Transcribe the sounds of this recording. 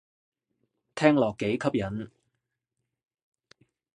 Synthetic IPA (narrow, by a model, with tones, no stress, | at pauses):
t̪ʰɛː˥ŋlɔː˨kːe˨˥jkʰɐ˥p̚jɐ˨˥n